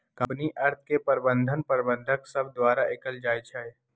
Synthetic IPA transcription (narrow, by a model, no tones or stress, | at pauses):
kə̃mpniʔɐɾt̪ʰkepəɾbə̃nd̪ʱənpəɾbə̃nd̪ʱəksɐb̚d̪waːɾaʔɪkəld͡ʒaːjt͡ʃʰɛe